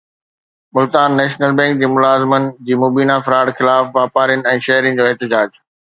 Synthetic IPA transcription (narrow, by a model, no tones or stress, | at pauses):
mʊlt̪aːnːɛːʃnəlbɛ̃ːŋk̚d͡ʑiːmʊlaːzɪmənɪ̆d͡ʑiːmoːbiːnafɐɾaːɽxɪlaːfʋaːpaːɾjənɪ̆ɛ̃ːʃɐɦɾɪ̃nɪ̆d͡ʑoːɛɦt̪ɪd͡ʑaːd͡ʑ